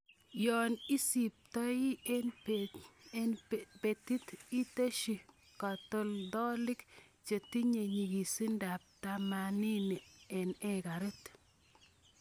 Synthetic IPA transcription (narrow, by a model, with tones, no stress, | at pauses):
jɔ˨ni˦si˨p̚tɔ˦ji˦ | pe˨ti˦ti˦te˦ʃi˨ | ka˨to˨ldɔ˦lɪ˦k | t͡ʃe˨ti˦ɲe˨ɲi˨ɡi˨si˦nda˨p̚ta˨ma˨ni˦ni˨ɛ˨nɛ˦ka˨ɾe˦t